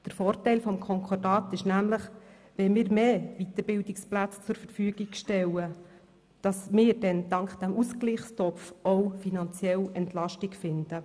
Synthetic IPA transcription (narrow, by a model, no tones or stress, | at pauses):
d̥əɾfɔːɾtɛɪlfɔmkʰɔŋkʰɔdɑːtɪʃnæmləχ | ʋɛmɪːɾmeːʋit̪əɾbɪldɪksplæt͡st͡sʊɾfəɾfyːəɡ̥iɡʃtɛwə | d̥ɑsmɪːɾd̥ɛndɑŋkχd̥æmusklɪχstɔpfowfinɑnt͡sjɛlɛntlɑʃtɪkfɪnd̥ə